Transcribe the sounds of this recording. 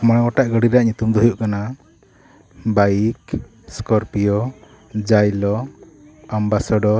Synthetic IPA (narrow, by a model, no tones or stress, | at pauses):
maɽ̃ɔɡɔʈaʔɡəɽiɾaʔɲut̪umd̪ɔɦujuʔkana | baik | skɔɾpijɔ | d͡ʒajlɔ | ambasɔɖɔ